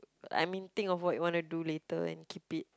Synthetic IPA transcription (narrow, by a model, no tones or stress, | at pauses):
a̰jmĩnt̪ɪ̃ŋɔfwɔt̚juwãnuduletəɛ̰̃nkʰipit̚